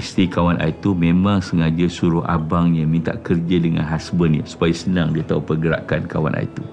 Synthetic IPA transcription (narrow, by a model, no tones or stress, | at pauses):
ist̪ikawanʔa̰it̪umẽmãŋsəŋad͡ʒəsuɾʊʔa̰baŋɲamĩnt̪a̰ʔkərd͡ʒadəŋã̰nɦasbənɲə̰su̥pajasənãŋdiat̪aupərɡəɾa̰ʔkankawa̰nʔa̰ḭt̪u